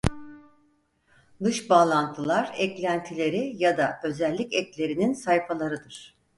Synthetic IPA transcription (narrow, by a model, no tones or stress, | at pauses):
d̪ɯʃbaːlˠant̪ʰɯlˠaɾɛclʲænt̪ʰilʲe̞ɾijad̪aø̞zɛlʲːicɛclʲe̞ɾininsajfalˠaɾɯd̪ɯɾ̥